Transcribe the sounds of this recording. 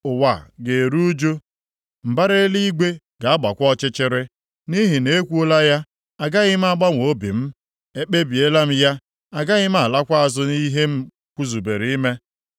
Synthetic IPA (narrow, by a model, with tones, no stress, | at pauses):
ʊ˨wa˨ɡe˨ɾu˦u˦d͡ʒo˦ | m̩˨ba˦ɾe˦li˦ɡʷe˦ | ɡa˨a˦ɡ͡ba˨kʷɔ˦t͡ʃɪ˦t͡ʃɪ˦ɾɪ˦ | ni˦ɦi˨ne˦kʷu˦o˦la˦ja˦ | a˨ɡa˦ɣɪ˦m̩˦a˦ɡ͡ba˦ŋʷo˨˦bḭ˨m̩˦ | e˦k͡pe˦bi˨e˦la˦m̩˦ja˦ | a˨ɡa˦ɣɪ˦m̩˦a˨la˦kʷa˦a˨zʊ˦ni˦ɦe˦m̩˦ | kʷu˦zu˨be˨ɾi˨i˦me˦